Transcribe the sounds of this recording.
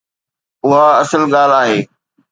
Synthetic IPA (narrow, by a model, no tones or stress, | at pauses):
ʊɦaɐsəlɠaːl̤aːɦeː